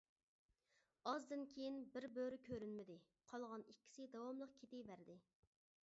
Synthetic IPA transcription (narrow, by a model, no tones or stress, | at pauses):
ɑzd̪ɪnkʲʰejinbɪɾbøɾɪkʲʰøɾynmɪd̪ɪ | qʰɑlˠʁɑnikʲːi̥sɪd̪ɑwɑmlˠəqkʲʰet̪ɪbæɾd̪ɪ